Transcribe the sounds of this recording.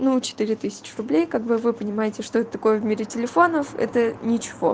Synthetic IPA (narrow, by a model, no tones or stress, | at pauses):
nut͡ɕɪ̥t̪ɨɾʲɪt̪ɨsʲɪ̥t͡ɕɪrʊblʲejkaɡ̚bɨvɨpənʲɪmajɪtʲɪʂt̪o̞ɛt̪ət̪ɐko̞jəvmʲeɾʲɪtʲɪlʲɪfo̞nəfɛ̰t̪ənʲɪt͡ɕɪ̥vo̞̰